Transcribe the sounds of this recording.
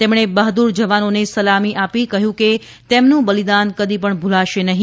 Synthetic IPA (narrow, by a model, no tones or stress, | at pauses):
t̪emɽ̃ebəɦd̪uɾd͡ʒəʋanonesəlamiʔapikəɦjũke | t̪emnũbəlid̪ankəd̪ip̬əɳbʱulaʃenəɦĩ